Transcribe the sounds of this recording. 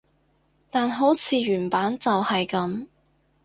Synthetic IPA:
t̪aː˨nɦo˨˥wt͡sʰiː˨˧ɥyː˨˩npaː˨˥nt͡sɐ˨whɐ˨jkɐ˨˥m

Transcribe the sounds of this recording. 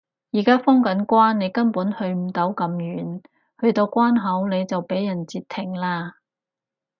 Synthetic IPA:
jiː˨˩kaː˥fɔː˥ŋkɐ˨˥nkʷaː˥nːe˨˧jkɐ˥npuː˨˥nhɵ˧ɥm̩˨˩t̪ɐ˨˥wkɐ˨˧mjyː˨˥n | hɵ˧ɥt̪o˧wkʷwaː˥nɦɐ˨˥wne˨˧jt͡sɐ˨wpe˨˥jːɐ˨˩nt͡siː˧t̪ʰːɪ˨˩ŋlaː˧

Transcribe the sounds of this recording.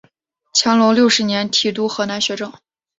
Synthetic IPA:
t͡ɕʰjɑ˧˥ŋlo˧˥ljo˥˩ʊʂɻ̩˧˥njɛ˧˥nt̪ʰi˨˩t̪̬u˥xɤ˧˥na˧˥nɕɥɛ˧˥ʈ͡ʂɤ˥˩ŋ

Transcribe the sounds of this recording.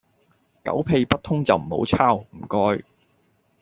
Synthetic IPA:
kɐ̰˨˥wpʰe˧jpɐ˥t̚t̪ʰʊ˥ŋt͡sɐ˨wm̩˨˩ho̰˨˥wt͡sʰaː˥wm̩˨˩kɔː˧j

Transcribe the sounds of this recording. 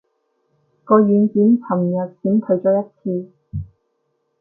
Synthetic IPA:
kɔː˧ɥyː˨˧nt͡siː˨˥mt͡sʰɐ˨˩mjɐ˨˩t̚t͡siː˨˥mt̪ʰɵ˨˥ɥt͡ʃɔː˨˥jɐ˥t̚t͡sʰiː˧

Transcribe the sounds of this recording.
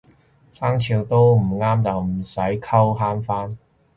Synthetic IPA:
saː˥ŋt͡sʰiː˧wt̪o˥wm̩˨˩ŋaː˥mt͡sɐ˨wm̩˨˩sɐ˨˥jkʰɐ˥wɦaː˥nfaː˥n

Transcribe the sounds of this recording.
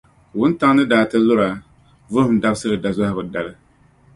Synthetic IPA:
wʊ˦n˦ta˦ŋ˦nɨ˦daː˨tɨ˦lʊ˦ɾa˨ | vʊ˦hʊ˦m̩˨da˦bsɨ˦ɾɨ˨da˨za˦hɪ˦bʊ˨da˨lɨ˦

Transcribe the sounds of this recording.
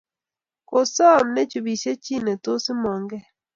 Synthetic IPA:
ko˨sɔ˦˨mnɛ˦t͡ʃu˨bi˨t͡ʃe˦t͡ʃi˦˨nɛ˨tʊ˦sɪ˦mɔ˨ŋɡɛ˦

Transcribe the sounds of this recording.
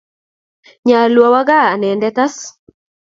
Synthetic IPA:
ɲa˨lwɔ˨wa˦ɡa˦a˨nɛ˨ndɛ˦t̪a˦s

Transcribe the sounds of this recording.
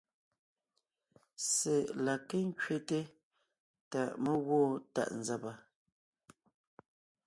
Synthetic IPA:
se˨ʔla˨ke˦ŋ̩˦kɥe˦te˦ | ta˨ʔmə˦ɣwɔː˦ta̰˨ʔn̩˨za˦pa˨

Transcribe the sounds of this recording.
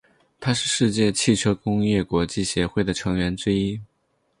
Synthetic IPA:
t̪ʰa˥ʂɻ̩˥˧ʂɻ̩˥˧t͡ɕjɛ˥˧t͡ɕʰi˥˩ʈ͡ʂʰjo˥ʊkʊ˥ŋjɛ˥˩kwɔ˧˥t͡ɕi˥˩ɕjɛ˧˥xwe˥˩ɪd̪ə˩ʈ͡ʂʰɤ˧˥ŋɥɛ˧˥nʈ͡ʂɻ̩˥i˥

